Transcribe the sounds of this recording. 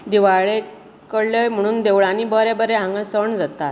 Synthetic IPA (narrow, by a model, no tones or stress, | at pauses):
d̪iʋaɭe | kəɽləjm̤əɽ̃uːnd̪eʋɭaniːbəɾebəɾeɦãŋɡəsəɳd͡zat̪at̪